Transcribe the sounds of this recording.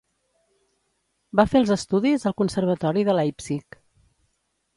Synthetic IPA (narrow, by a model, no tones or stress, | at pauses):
bafelˠzəst̪uðizəlˠkunsəɾβ̞ət̪ɔɾiðəlajpsik